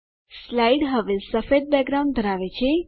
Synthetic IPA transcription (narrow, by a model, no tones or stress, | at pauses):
slaiɖɦəʋesəfed̪̚bɛɡɾaw̃nd̪ʱəɾaʋet͡ʃʰe